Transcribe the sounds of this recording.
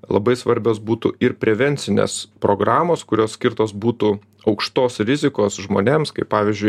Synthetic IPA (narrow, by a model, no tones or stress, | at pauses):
lˠɐ̰bɐɪsʋɐɾʲbʲoːsbuːt̪ṵɪɾpʲɾʲɛʋʲɛnʲtsʲɪnʲḛːspɾoːɡɾɑːmoːskʊɾʲoːssʲkʲɪrt̪oːsbuːt̪u | ɐʊkʃt̪oːsɾʲɪzʲɪkoːsʒmoːnʲeːmskɐɪppɑːʋʲɪzʲd͡ʒʲʊɪ